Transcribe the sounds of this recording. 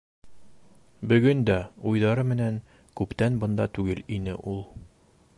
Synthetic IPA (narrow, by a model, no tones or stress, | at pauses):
bɵ̆ɡɵnd̪æujðɑɾɤmɘ̆næŋ | kʉpt̪ænbɤ̆nd̪ɑt̪ʉɡɘlinɘ̰ʔulˠ